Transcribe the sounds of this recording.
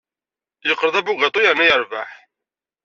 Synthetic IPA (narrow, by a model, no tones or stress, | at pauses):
jəqːɾəðˤæbʊɡɑt̪ˤojəɾnæjəɾˤvaħ